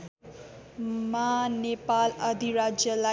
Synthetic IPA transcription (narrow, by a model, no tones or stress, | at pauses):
manepalʌd̪ʱiɾad͡zjʌla